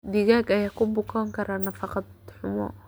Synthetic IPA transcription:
d̪ɪɣaːɡɐjaːkʰʊbʊkʰaŋkʰɐɾʔaːnɐfɑqɑd̪ħʊmɔ̰

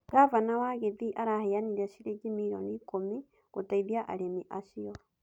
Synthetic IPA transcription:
kavanawaɣeðiʔaɾaheaniɾɛʃiɾeɡimiɾo̰nikomi | ɣotaiðiaʔa̰ɾemiʔaʃiɔ

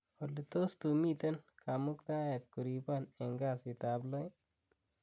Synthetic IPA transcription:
olːit̪ost̪umit̪ɐnkamukt̪aːjet̪̚kuɾipaneŋɡaːsit̪aːblɔj

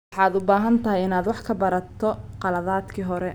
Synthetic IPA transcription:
wħɑːd̪ʊbaːɦɐnt̪ʰɐɦɪjɪnaːd̪wɑħkʰɐbɐɾɐt̪ʰːɔqɑlɐðaːd̪kʰiːɦɔɾɛ

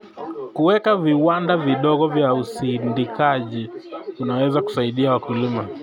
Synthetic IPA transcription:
kuwɛkaviwandaviɗɔɠɔvjausindikaʄiunawɛzaku̥saiɗiawakulima

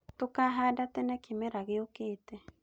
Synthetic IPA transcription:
tokaɦaːdatɛnɛkemɛɾaɣeokeːtɛ

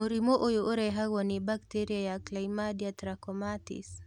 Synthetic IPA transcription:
muɾimoʔojoʔoɾɛɦaɡɔnibakteɾiajaklaimadiatɾakɔmatḭs

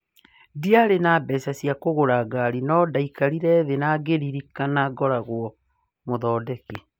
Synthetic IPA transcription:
diaɾenabɛsasiakoɣoɾaɡaɾinɔdaikaɾiɾɛðenaɡeɾiɾikanaɡɔɾaɣwɔ | moðɔːdɛke

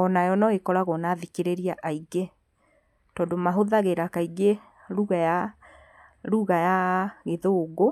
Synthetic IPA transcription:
ɔnajɔnɔekɔɾaɣɔnaðikeɾeɾiaʔaiɡe | tɔdomaɦoðaɣeɾakaiɡe | ɾuɣaja | ɾuɣajaɣeðoːɡo

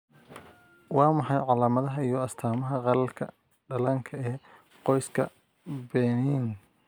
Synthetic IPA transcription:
wɑːmɑħɑjʕɑlaːmɐðɐɦɐijɞɐst̪ʰaːmɐɦɐʁɑlɐlkʰɐ̰ | ɖɐlɐːŋkʰɐɛː | qɔjskʰɐ̰ | bɛːniːn

